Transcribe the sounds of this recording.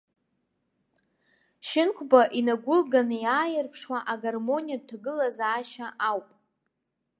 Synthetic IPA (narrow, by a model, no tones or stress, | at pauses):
ʃɪnkʷʰbaʔinaɡʷʊlɡanɨjaːjɪrpʰʂwaʔaɡarmo̞nijad̚tʰaɡɨlazaːʃaʔawpʼ